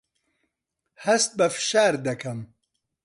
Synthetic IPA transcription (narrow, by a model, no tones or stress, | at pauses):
hɐst̪̚bɐfɨ̥ʃaːɾd̪ɐkʰɐm